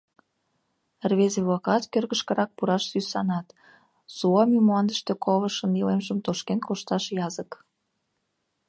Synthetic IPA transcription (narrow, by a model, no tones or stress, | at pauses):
rβezeβlɑkɑt̪kørɣəʃkə̆ɾɑk̚puɾɑʃsysɑnɑt̪ | suɑmimoɑnd̪əʃt̪ekoβəʃənilemʒəmt̪oʃkenkoʃt̪ɑʃjɑzək